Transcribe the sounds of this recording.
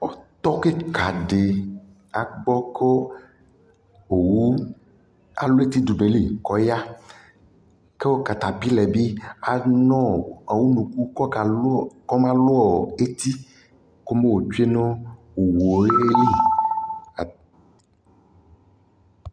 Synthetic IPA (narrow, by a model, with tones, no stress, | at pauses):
ɔ˦t̪ɔ˦ke˦ka˨ɖe˨ | a˨ɡ͡bɔ˦kɔ˦˨ | wu˦ | a̰˨lu˦e˦t̪i˦du˨be˨li˦˨kɔ˨˦ja˦ | ke˦wo˦ka˨t̪a˨pi˦lɛ˨bi˦a˨nɔ̃˦a˨wu˦nũ˨ku˦kɔ˦˨˦kɔ˦mã˦lo˦ɔ˨e˦t̪i˦ | ko˦me˦wo˨d͡ʒu˦e˦nõ˦ | o˨wo˨˦li˦˨